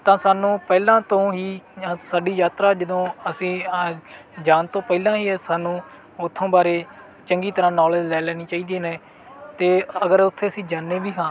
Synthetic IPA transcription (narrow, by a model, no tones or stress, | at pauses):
t̪ãːsaːnũːpɛːlãːt̪õːɦĩːsaːɖiːjaːt̪ɾaːd͡ʒəd̪õːəsĩː | d͡ʒaːnt̪õːpɛilãːɦiːɦɛːsaːnũː | ʊt̪ʰːõːbaːɾeː | t͡ʃəŋɡiːt̪əɾãːnɔːleːd͡ʒlɛːlɛːniːt͡ʃaːiːd̪eːneː | t̪eːəɡəɾʊt̪ʰːeːəsĩːd͡ʒaːnːeːbiːɦãː